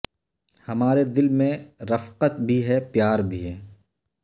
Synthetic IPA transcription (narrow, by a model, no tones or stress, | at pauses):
hɐmaːɾed̪ɪlmẽɾɐfqət̪̚bʱiɦɛpjaːɾbʱiɦɛː